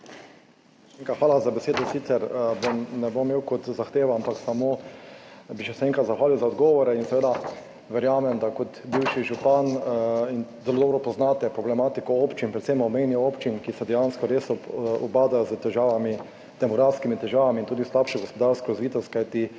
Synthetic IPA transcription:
eŋkaxʋaːlazabɛseːd̪ɔsiːt̪sɛɾbomnɛbomːeːwkɔt̪zaxt̪eːʋaampaksamo | biʃɛsɛɛ̃ŋkɾat̪zaxʋaːliwzaɔd̪ɡɔːʋɔɾɛinsɛʋeːd̪a | ʋɛɾjaːmɛmd̪akɔt̪biwʃiʒupaninzɛlod̪ːbɾɔpɔznat̪ɛpɾɔblɛmaːt̪ikɔoːpt͡ʃinpɾɛt̪semɔmejnjɛoːpt͡ʃinkisɛd̪ɛjanskɔɾeːsɔɔbaːd̪ajɔzət̪ɛʒaːʋami | d̪̥ɛmɔɡɾafskimit̪ɛʒaːʋamiːnt̪uːd̪islapʃɛɡɔspɔd̪aɾskɔɾazʋiːt̪ɔst̪kajt̪i

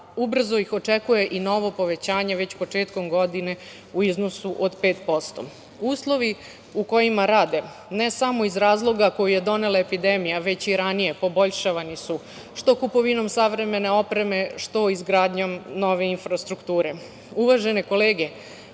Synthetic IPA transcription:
ubr̩zo̞ixo̞t͡ʂekuje̞ʔino̞ʋo̞po̞ʋe̞t͡ɕaːɲe̞ʋe̞t͡ɕpo̞t͡ʃeːt̪ko̞mɡo̞d̪ine̞ | uizno̞suʔod̪pe̞ːt̪po̞st̪o̞̰ | uːslˠo̞ʋi | uko̞jimaɾaːd̪e̞ | ne̞samo̞izɾaːzlˠo̞ɡako̞juje̞d̪o̞ne̞lˠaepid̪e̞mijaʋe̞t͡ɕiɾanije̞po̞bo̞ʎʃaʋanisu | ʃt̪o̞kupo̞ʋino̞msaʋɾe̞me̞ne̞o̞pɾe̞me̞ʃt̪o̞izɡɾaːd̪ɲo̞mno̞ʋe̞infɾast̪ɾukt̪uːɾe̞ | uʋaʒe̞ne̞ko̞leːɡe̞

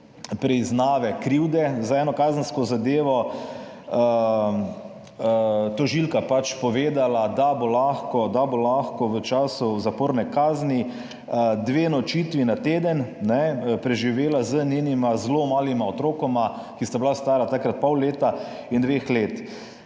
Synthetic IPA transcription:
pɾɛiznaːʋɛkɾiwd̪ɛzaɛːnɔkaːzənskɔzad̪eːʋɔ | t̪ɔʒilkapat͡ʃpɔʋeːd̪alad̪abolaːxkɔd̪abolaxkɔʋət͡ʃaːsuzapoːɾnɛkaːzni | əd̪ʋeːnɔt͡ʃit̪ʋinat̪eːd̪ənnɛpɾɛʒiʋeːlazənenimazlomaːlimaɔt̪ɾoːkɔma | kist̪ablast̪aːɾat̪akɾat̪̚pɔwleːt̪a | ind̪ʋeːxleːt̪

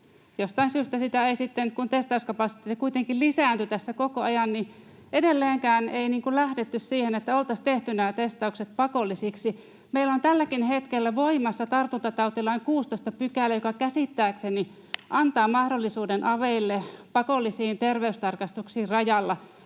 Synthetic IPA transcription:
jost̪ɑinsyːst̪æsit̪æeisit̪ːenkunt̪est̪ɑuskɑpɑsi̥t̪eːt̪ːikuit̪eŋkillisæːnt̪yt̪æsːækokoɑjɑnni | edelːeːŋkæːneiniːŋkullæhdet̪ːyssiːhenet̪ːæolt̪ɑst̪eht̪ynæːt̪est̪ɑukset̪̚pɑkolːisiksi | meilont̪ælːækinhet̪kelːæʋoimɑsːɑt̪ɑrt̪unt̪ɑt̪ɑut̪ilɑiŋkuːst̪oist̪ɑpykælːæjokɑkæsit̪ːæːkseni | ʔɑnt̪ɑːmɑhdolːisuːdenʔɑʋeilːepɑkolːisiːnt̪erʋeyst̪ɑrkɑst̪uksiːrrɑjɑlːɑ

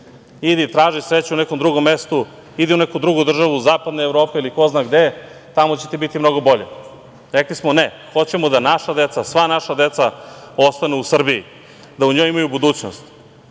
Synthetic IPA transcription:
id̪it̪ɾaːʒisɾet͡ɕunekomd̪ɾuɡo̞mːest̪u | id̪iunekud̪ɾuɡud̪r̩ʒaʋuzaːpad̪noevɾo̞ːpeiliko̞znaːɡd̪et̪amo̞t͡ɕe̞t̪ibit̪imno̞ɡo̞bo̞ʎḛ | ɾeklismone | xo̞t͡ɕemod̪anaʃad̪et̪sasʋanaʃad̪et̪sa | o̞st̪aneusr̩biji | d̪auɲo̞jimajubud̪uːt͡ɕno̰st̪

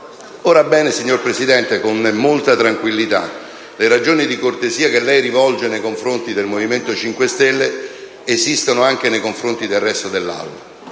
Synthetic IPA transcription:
oːɾabɛːnesiɲːorpɾesid̪ɛnt̪ekonmolt̪at̪ɾaŋkwilːit̪a̰ | leɾad͡ʒoːnid̪ikort̪eziːakelːɛjɾivɔld͡ʒenejkoɱfɾont̪id̪elmoviment̪ot͡ʃiŋkwest̪ɛlːeː | zist̪onoaŋk̟enejkoɱfɾont̪id̪elːɛst̪od̪elːa̰wːa

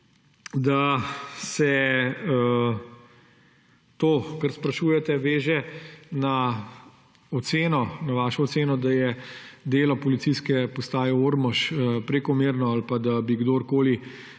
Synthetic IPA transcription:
d̪asɛ | t̪oːkɐɾspɾɐʃuːjɛt̪ɛʋeːʒɛna | ɔt̪seːnɔnaʋaːʃɔːt̪seːnɔd̪ajɛd̪eːlɔpɔlit̪siskɛpɔst̪aːjɛoɾmɔʃəpɾɛkɔmeːɾnɔalpad̪abiɡd̪oɾkoːli

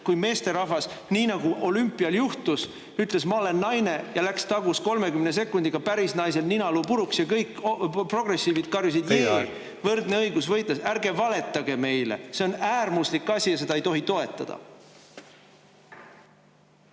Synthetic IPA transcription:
kujme̞ːst̪erɑɦvɑsniːnɑɡuʔo̞lympːˑiɑljuht̪us | yt̪ˑle̞smɑole̞nːɑjne̞jɑlækst̪ɑɡusko̞lme̞kymne̞s̬e̞kːˑund̪̥iɡ̥ɑpæɾisnɑjs̬e̞lninɑluːpuɾuksjɑkɤjkːpro̞ɡ̥re̞sːiːvid̪̥kɑrjus̬id̪je | vɤrd̪ne̞ɤjɡusvɤjt̪lesæɾɡ̥e̞vɑle̞t̪ˑːɑɡ̥e̞me̞jlḛse̞o̞næːrmuslikːˑɑsʲijɑse̞d̪̥ɑejt̪o̞ɦit̪o̞e̞t̪ːˑɑ̰d̪̥ɑ̰

